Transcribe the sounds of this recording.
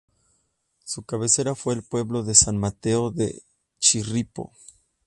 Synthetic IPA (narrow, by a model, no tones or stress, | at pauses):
sukaβe̞se̞ɾafwe̞ːlpwe̞βlo̞ðe̞sanmat̪e̞oðḛ | t͡ʃiripo̞̰